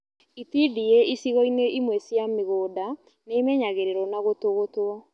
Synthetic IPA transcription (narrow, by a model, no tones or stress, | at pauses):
itidieisiɣɔineimwɛsjameɣoːda | neːmɛɲaɣeɾeɾɔnaɣotoɣotoɔ